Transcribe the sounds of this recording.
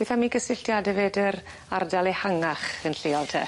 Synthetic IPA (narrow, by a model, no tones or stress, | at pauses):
bɛθamiːɡəsɪɬtjadɛveːdəɾ | ardalˠehaŋaχənɬɪːɔlˠtʰə̰